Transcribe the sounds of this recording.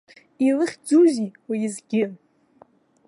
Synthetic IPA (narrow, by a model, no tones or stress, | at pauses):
ilɨχʲd͡zuziwiizɡʲɪ